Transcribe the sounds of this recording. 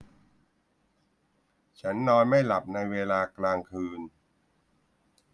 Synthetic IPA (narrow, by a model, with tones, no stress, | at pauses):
t͡ɕʰa˦˥nːɔː˧nma˥˩jla˨˩p̚na˧jweː˧laː˧klaː˧ŋkʰɯː˧n